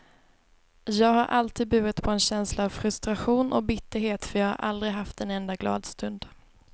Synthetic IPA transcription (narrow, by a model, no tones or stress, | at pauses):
jɑːɡɦaɾʔalt̪ʰiːd̪̚bʉ̟ːət̪pʰɔɛnɕɛnslaːvfɾɵst̪ɾaɧuːnʔɔk̚bɪt̪ːəɾɦeːt̪fœɾjɑːɡha̰ɾʔa̰ld̪ɾɪɦaft̪ɛnɛnd̪aɡlɑ̰ːd̪st̪ɵnd̪